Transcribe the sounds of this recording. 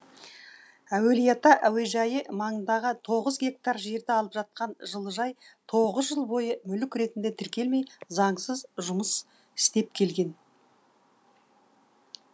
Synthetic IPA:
æwe̞lijat̪ɑʔæwe̞ʒɑjəmɑɴənd̪ɑʁət̪ʰo̞ʁəzɡʲe̞k̚t̪arʒe̞ɾd̪eɑlˠəpʒ̥ɑt̪̚qɑnʒəlˠəʒɑjt̪ʰo̞ʁəzʒəlˠbo̞jəmʏlɪkʲɾe̞t̪ɪnd̪e̞t̪ʰɪɾkʲe̞lme̞jzɑɴsəzʒʊməs | ɪ̥st̪e̞p̚kʲʰe̞lɡʲe̞n

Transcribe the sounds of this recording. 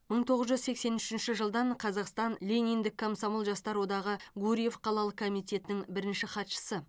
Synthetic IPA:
məɴt̪ʰo̞ʁəzʒʏzse̞kse̞nʏʃɪnʃɪʒəlˠd̪ɑɴqʰɑzɑqst̪ɑnlʲe̞nijnd̪ɪkʰːomsomolˠʒɑst̪ɑɾwo̞d̪ɑʁəɡuɾʲije̞fqʰɑlˠɑlˠəqkʰo̞mijt̪e̞t̪ɪnɪŋbɪɾɪnʃɪχɑt̪ʃə̥sə

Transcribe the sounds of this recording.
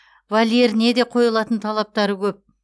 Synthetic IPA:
valʲe̞ɾɪne̞d̪e̞qʰo̞jlˠɑt̪ənt̪ʰɑlˠɑp̚t̪ɑɾəkʲʰɵp̚

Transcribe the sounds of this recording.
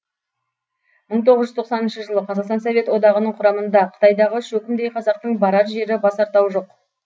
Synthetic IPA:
məɴt̪ʰo̞ʁəzʒʏzt̪ʰo̞q̪sɑnənʃəʒəlˠəqʰɑzɑʁqst̪ɑnsɑvʲe̞t̪wo̞d̪ɑʁənəɴqʰʊɾɑmənd̪ɑqʰə̥t̪ɑjd̪ɑʁəʃɵkʲɪmd̪ejqʰɑzɑq̚t̪əɴbɑɾɑɾʒe̞ɾɪbɑsɑɾt̪ɑwʒo̞q

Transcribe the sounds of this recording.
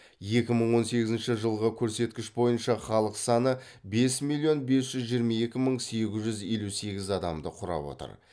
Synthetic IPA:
je̞kʲɪməɴwo̞nse̞ɡʲɪzɪnʃɪʒəlˠʁəkʲʰɵɾse̞t̪kʲɪʃbo̞jənʃɑχɑlˠəqsɑnə | be̞smilʲˠːijo̞nbe̞sʒ̥ʏzʒijɾmɑje̞kʲɪməɴse̞ɡʲɪzʒʏze̞luse̞ɡʲɪzɑd̪ɑmd̪əqʰʊɾɑ̰pwo̞̰t̪ə̰ɾ

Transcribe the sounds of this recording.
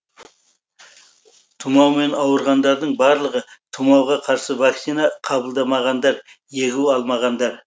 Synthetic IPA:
t̪ʰumɑwme̞nɑwəɾʁɑnd̪ɑɾd̪əɴbɑɾlˠəʁət̪ʰumɑwʁɑqʰɑɾsəvaksinɑqʰɑbəlˠd̪ɑmɑʁɑnd̪ɑɾ | je̞ɡʲuɑlˠmɑʁɑnd̪ɑɾ

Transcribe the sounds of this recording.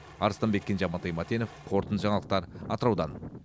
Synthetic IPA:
ɑɾəst̪ɑnmbe̞kʲːenʒɑmɑt̪ɑjmɑt̪eno̞fqʰo̞ɾt̪ənʒɑɴɑlˠəq̚t̪ɑɾɑ̰t̪əɾɑwd̪ɑn

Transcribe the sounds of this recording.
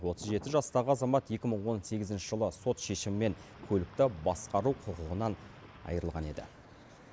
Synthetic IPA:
wo̞t̪əzʒe̞t̪ɪʒɑst̪ɑʁəɑzɑmɑt̪je̞kʲɪməɴwo̞nse̞ɡʲɪzɪnʃɪʒəlˠəso̞t̪ʃe̞ʃɪmɪme̞ŋ | kʲʰɵlɪk̚t̪ɪbɑsqɑɾuwqʰʊqʊʁənɑn | ɑ̰jəɾəlˠʁɑne̞d̪ɪ̰

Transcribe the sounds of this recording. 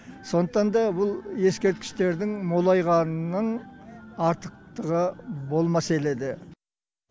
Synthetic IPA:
so̞nd̪əqt̪ɑnd̪ɑbʊlˠje̞skʲe̞ɾt̪kʲɪ̥ʃt̪e̞ɾd̪ɪŋmo̞lˠɑjʁɑnnəɴ | ɑɾt̪ə̥q̚t̪əʁəbo̞lˠmɑse̞le̞d̪ɪ

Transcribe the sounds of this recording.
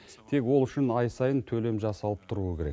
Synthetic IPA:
t̪ʰe̞kwo̞lˠʏʃɪnɑjsɑjənt̪ʰɵle̞mʒɑsɑlˠəp̚t̪ʰʊɾuəkʲʰe̞ɾe̞̰k

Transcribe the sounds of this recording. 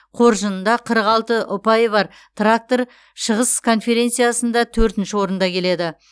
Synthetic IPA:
qʰo̞ɾʒənnd̪ɑqʰəɾəqɑlˠt̪əʔʊpɑjβɑɾ | t̪rak̚t̪o̞ɾ | ʃəʁəskʰo̞nfe̞ɾʲe̞nt̪sɨjasənd̪ɑt̪ʰɵɾt̪ɪnʃɪwo̞ɾənd̪ɑkʲʰe̞le̞d̪ɪ

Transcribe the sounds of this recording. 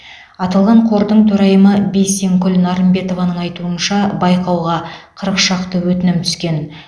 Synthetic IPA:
ɑt̪ɑlˠʁɑɴqʰo̞ɾd̪əɴt̪ʰɵɾɑjəməbe̞jse̞ŋkʲʏlnɑɾəmbe̞t̪o̞vɑnəɴɑjt̪uənʃɑbɑjqɑwʁɑqʰəɾəqʃɑqt̪əwɵt̪ɪnɪmt̪ʰʏ̥skʲe̞n

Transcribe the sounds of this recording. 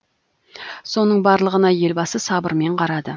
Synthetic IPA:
so̞nəɴbɑɾlˠəʁənɑje̞lbɑsəsɑbəɾme̞ɴqʰɑɾɑd̪ə

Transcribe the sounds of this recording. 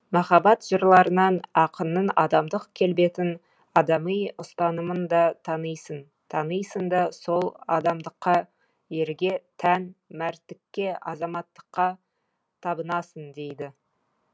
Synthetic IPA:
mɑχɑbɑt̪ʒ̥əɾlˠɑɾənɑnɑqənːənɑd̪ɑmd̪əqkʲʰe̞lbe̞t̪ɪn | ɑd̪ɑmijʊst̪ɑnəmənd̪ɑt̪ʰɑnəjsən | t̪ʰɑnəjsənd̪ɑso̞lˠɑd̪ɑmd̪əqːɑ | je̞ɾɡʲe̞t̪ʰænmæɾt̪ːɪkʲːe̞ɑ̰zɑmɑt̪ːə̥qːɑ | t̪ʰɑbənɑsənd̪ejd̪ɪ

